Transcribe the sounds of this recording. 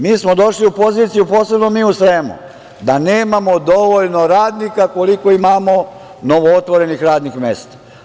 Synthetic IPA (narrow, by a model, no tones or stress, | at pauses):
miːsmo̞d̪o̞ʃliupo̞ziːt̪sijupo̞ːse̞bno̞miːusʋemṵ | d̪aneːmamo̞d̪o̞ʋoʎno̞ɾaːd̪nikako̞liko̞imamo | no̞ʋoot̪ʋo̞ɾe̞nixɾaːd̪nixmest̪ḁ